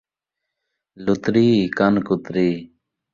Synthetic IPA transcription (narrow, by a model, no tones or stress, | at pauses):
lut̪ɾiːkɐnkʊt̪ɾiː